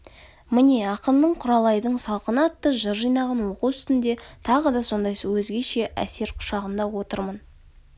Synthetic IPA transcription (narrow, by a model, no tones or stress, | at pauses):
mɪneɑqəmd̪əɴqʰʊɾɑlˠɑjd̪əɴsɑlˠqənɑt̪ːəʒəɾʒijnɑʁɑnwo̞quwʏst̪ɪnd̪e̞t̪ʰɑʁəd̪ɑso̞nd̪ɑjwɵzɡʲe̞ʃe̞ʔæ̰se̞ɾqʰʊ̥ʃɑʁənd̪ɑwo̞t̪əɾmən